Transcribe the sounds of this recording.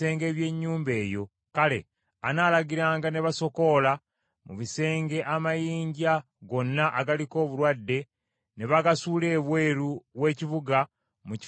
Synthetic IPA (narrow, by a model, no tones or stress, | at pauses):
eːŋɡe̞ːβje̞ɲːuːmbe̞ːjo̞̰ | kale̞̰ | anaːlaɡiɾaːŋɡaneβaso̞ko̞la | mṵβise̞ːŋɡe̞ʔamajiːɲɟa | ɡo̞nːaʔaɡaliko̞ːβuɾwadːe̞ | neβaɡasuːle̞ːβweːɾuβwe̞ːciβuɡa | muci